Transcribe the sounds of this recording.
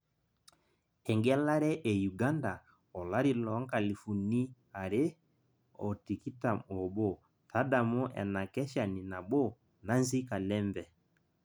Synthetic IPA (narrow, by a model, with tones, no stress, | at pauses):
ɛ˨ŋɡɛ˦la˦ɾɛ˦ʔe˨ju˨ɡa˦nda˨ | ɔ˨la˦ɾi˨lɔ˨˦ŋka˨li˨fu˨ni˦ | a˨ɾe˦ | ɔ˨ti˨ki˦ta˨ɔ˨bo˦˨ | ta˦da˨mɔ˦ʔɛ̰˨na˨kɛ˦ʃa˨ni˨na˨bo˦ | na˦nzi˦ka˨lɛ˦mbɛ˨